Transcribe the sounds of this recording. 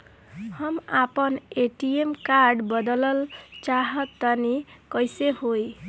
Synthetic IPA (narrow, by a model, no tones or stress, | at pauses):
həmapəneʈiemkaɾɖbəd̪ələlt͡ʃaɦʌt̪ːənikʌjseɦoj